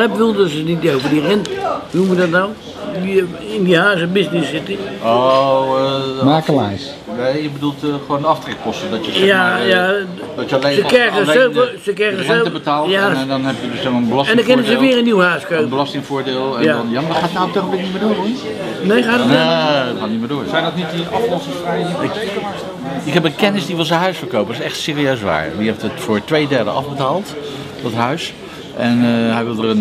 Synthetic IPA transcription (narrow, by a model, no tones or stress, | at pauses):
ɛbədulˠdɔsənit̚dowvədirɪnnumʋədɔtnaw | i | ɪndihaːs̬əbɪsnɪsɪtio | maːkəlajs | ʋeəbədulˠtxʋoːndɔftrɛk̚kɔstədɔtjəjaja | dɔtjlesəkɛɣəøəsəkɛɣəsɛəbətaːljaɛndɔnɛpjədøsɛmaːənbəlɑstɛndəkɪnəzəʋɪːrənːiwəhœɥskøːbəlɑstɪŋfʊːɹdɪːlˠɛdɔnjamadχaːtnawək̚tɔχɔpblɪk̚nitmɪːdʊːrɔn | nejxaːdɔtnɔtχaːtnitmɪːɹdʊːɹsɛjdɔtnitdiɑflɔsəsfraɪk | ɪkɦɛpəkɛnɪsdiʋɪlˠsənɦœɥsfəɹkowpədsɛxtsɪːriøɥsʋa̰ːɹʋiɛftətfʊːɹtʋejdɛɹdə̰ʔɑ̰vbətaːlˠt | dɔtɦœɥs | ʔɛnɦɛjʋɪlˠdərən